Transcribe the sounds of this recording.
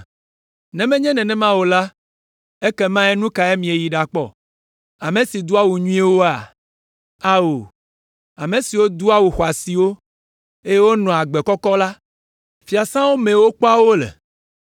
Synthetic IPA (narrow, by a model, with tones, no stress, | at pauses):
nɛ̃˨mɛ̃˦ɲɛ̃˦nɛ̃˨nɛ̃˦mã˦wo˨la˦ | e˦kɛ˦mã˦ɛ˦nũ˦ka˨e˦mĩ˨e˨ji˨ɖa˨k͡pɔ̰˦ | a˨mẽ˨si˨d̪u˦a˦wu˨ɲũ˦ɛ˦wo˦a̰˨ | a˦wo˨ | a˨mẽ˨si˨wo˦d̪u˦a˦wu˨xɔ˨a˨si˨wo˦ | e˦je˦wo˦nɔ̃˨a˨ɡ͡bɛ˨kɔ˦kɔ˦la˦ | fi˨a˨sã˦wo˦mẽ˨wo˦k͡pɔ˦a˦wo˦lɛ̰˨